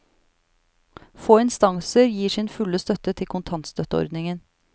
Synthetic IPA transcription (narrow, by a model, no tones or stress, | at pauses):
foːɪnst̪ɑŋsəɾjiːʂɪːnfʉləst̪œt̪ət̪ʰɪlkʰʊnt̪ʰɑnt̪st̪œt̪əɔ̰ɾd̪nɪŋən